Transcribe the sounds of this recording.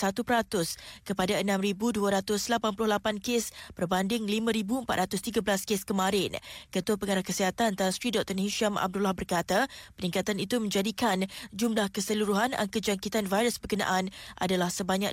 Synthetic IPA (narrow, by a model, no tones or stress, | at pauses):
sat̪upəɾat̪ʊskəpadaənãmɾibuduaɾat̪ʊslapanpulʊhlapankespərbandɪŋlimãɾibuəmpat̪̚ɾat̪ʊst̪iɡablaskeskəmaɾɪnkət̪uapəŋaɾahkəsiɦat̪annt̪asɾidɔk̚t̪ɔniʃiamʔa̰b̚dulahbərkat̪apənĩŋkat̪anit̪umə̃ɲd͡ʒadikand͡ʒumlahkəsəluɾuɦana̰ŋkəd͡ʒaŋkit̪anvajɾəsbərkənã̰ʔanʔa̰dalahsəbaɲak